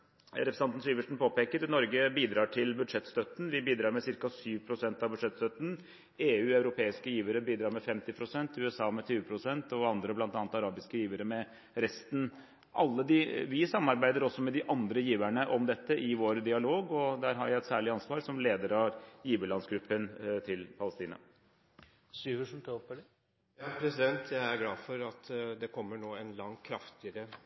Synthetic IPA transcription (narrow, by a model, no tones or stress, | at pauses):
ɾɛpɾəsɑnt̪n̩siːʋəʂʈn̩pʰoːpeːkəɾnɔɾɡəbiːd̪ɾɑːʈʰɪlbʉd̪ʂɛt̪ːst̪œt̪nʋɪbiːd̪ɾɑːɾmɛsɪɾkɑsyːʋpʰɾʊsɛnt̪ɑʋbʉd̪ʂɛt̪ːst̪œt̪n̩ | eːʉːœʉɾʊpʰeːɪskəjiːʋəɾəbiːd̪ɾɑːɾmɛfɛmt̪ɪpʰɾʊsɛnt̪ʉːɛsɑːmɛt̪ʰyːʋəpʰɾʊsɛnt̪ɔɑnd̪ɾəblɑnt̪ɑːnət̪ɑɾɑːbɪskəjiːʋəɾəmɛ | ɾɛst̪n̩ | ʔɑlːəd̪ɪʋɪsɑmːɑɾbæɪd̪əɾɔsːɔmɛd̪ɪʔɑnd̪ɾəjiːʋæɳəʔɔmd̪ɛt̪ːəʔɪʋoːɾd̪ɪɑloːɡɔd̪æːɾɦɑɾjæɪɛt̪sæːɭɪɑnsʋɑːɾsɔmleːd̪əɾɑjiːʋəɭɑnsɡɾʉpʰːənt̪ʰɪlpʰɑləst̪iːnɑ̰ | syːʋəʂɔmt̪ʰopːəɖɛ | jɑːpʰɾɛsɪd̪ɛnt̪ʰjæɪæɾɡlɑːdfɔɾɑt̪d̪ɛkʰɔmːəɳoːɛnlɑŋt̪kʰɾɑft̪ɪəɾə